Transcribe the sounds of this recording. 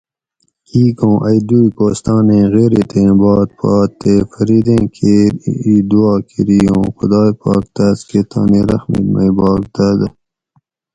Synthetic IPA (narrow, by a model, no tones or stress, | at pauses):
kiːkõːʔɐjd̪uːjkoːst̪ɑːnẽːɣeːɾit̪ʰẽːbɑːt̪̚pʰɑːt̪ːefɐɾiːd̪ẽːkʰeid̪uɑːkʰiɾijõːxʊ̰d̪ɑːjpɑ̰ːk̚t̪askeːt̪ʰɑ̰ːniɾɐxmḭmɐjbɑːk̚d̪ad̪ə